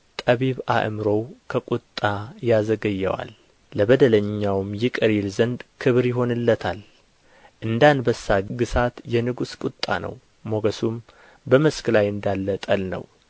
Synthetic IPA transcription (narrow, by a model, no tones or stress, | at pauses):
t̪ʼəβiβa̰ʔmɾo̞wkʰəkʼut̪ʼːajazəɡəjːɛ̰wa̰lː | əbəd̪ələɲːawmjɪkʼəɾilzənd̪kʰɨβɾjɪɦo̞nɨlːət̪ʰal | ʔɨnd̪anbəsːaɡɨsat̪jɛnɨɡuskʼut̪ʼːa̰nə̰w | mo̞ɡəsum | bəməskɨlajɨnd̪alːət̪ʼəlnə̰w